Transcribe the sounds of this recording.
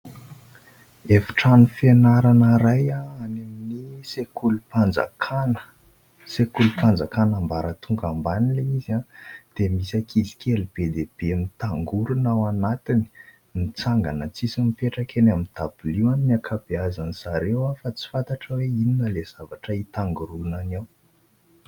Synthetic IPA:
efi̥ʈ͡ʂanifenaɾanaɾajaanaminisekulupand͡za̰kʰanə̥ | sekulupand͡zakanambaɾət̪ʰuŋɡambanileizãd̪̥emisakʰizi̥kʰelib̥ed̪eb̥eamint̪aŋɡuɾunawanat̪ini̥ | nit͡saŋɡanat͡sisimifeʈ͡ʂakenamint̪ab̥uliwaniniakʰab̥eazanisaɾewafat͡si̥fant̪aʈ͡ʂəweininəlez̥avaʈ͡ʂəit̪aŋɡuɾulunanaw

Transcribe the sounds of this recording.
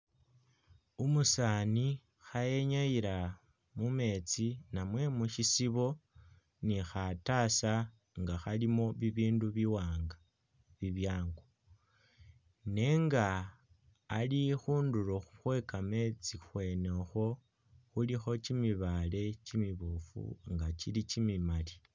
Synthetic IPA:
umusaːni | xaje̞ɲajiɾa | mume̞t͡sinamwe̞muʃisiβo̞ | nixatasa | ŋɡaxalimo̞βiβiːnduβiwaːŋɡa | βiβjaːŋɡo | neŋɡaː | lixuːnduɾoxuxwe̞kame̞t͡sixwe̞nexo̞ | xulixo̞t͡ʃimiβale̞t͡ʃimiβufṵŋɡat͡ʃilit͡ʃimimali̥

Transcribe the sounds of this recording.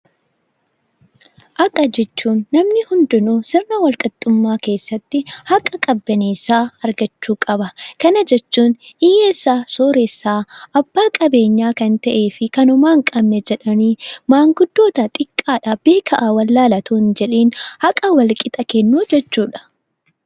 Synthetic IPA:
ʔɐkʼːɐd͡ʒɛt͡ʃːuːnːɐmnɪhʊnd̪ʊnusɪrnɐwɐlkʼɐt̪ʼːʊmːaːke̞ːsːɐt̪ːɪhɐkʼɐkʼɐbːɐneːsaːɐɾɡɐt͡ʃːuːkʼɐbɐkɐnɐd͡ʒɛt͡ʃːuːnɪjeːsːaːsoːɾeːsːaːʔɐbːaːkʼɐbe̞ːɲːaːkɐnt̪ɐʔe̞ːfɪkɐnʊmaːŋkʼɐmnɛd͡ʒɛᶑɐniːmaːŋɡʊd̪ːo̞ːt̪ɐt̪ʼɪkʼːaːᶑabe̞ːkʰɐʔawɐlːaːlɐt̪uːnd͡ʒɛᶑeːnhɐkʼɐwɐlkʼɪt̪ʼɐkɛnːuːd͡ʒɛt͡ʃːuːᶑɐ̥

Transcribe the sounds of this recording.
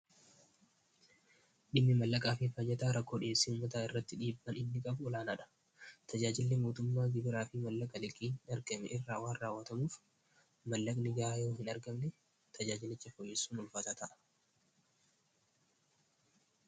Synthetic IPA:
ᶑɪmːɪmɐlːɐkʼaːfɪfɐd͡ʒɛt̪aːɾɐkːo̞ːᶑɪesːiuːmːɐt̪aɪrːɐt̪ːɪᶑiːbːɐnɪnːɪkʼɐbʊɔlaːnaᶑɐ̥ | t̪ʰɐd͡ʒaːd͡ʒɪlːɪmoːt̪ʊmːaːɡɪbɪɾaːfɪmɐlːɐkʼɐlɪkʼːiːnɐɾɡɐmɛʔɪrːaːwaːnraːwːɐt̪ɐmuːf | mɐlːɐkʼnɪɡaːjoːɦɪnɐɾɡɐmnɛ | t̪ʰɐd͡ʒaːd͡ʒɪlɪt͡ʃːɐfɔjːɛsːuːnɔlfɐt̪aːt̪ɐʔɐ̥

